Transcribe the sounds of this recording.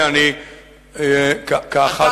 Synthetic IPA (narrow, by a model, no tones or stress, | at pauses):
ani | kakaxa